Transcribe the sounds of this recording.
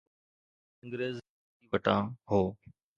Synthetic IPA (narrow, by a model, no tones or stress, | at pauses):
ə̃ŋɡɾeːz | ʋəʈãːɦoː